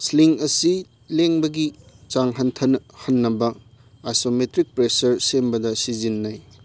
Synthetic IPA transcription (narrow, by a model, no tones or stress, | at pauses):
sliŋɐsi | leŋbɐɡi | t͡ʃaŋɦɐntʰɐnhɐnːɐbɐ | ajsometɾik̚pɾesɐɾsembɐdɐsizinːaj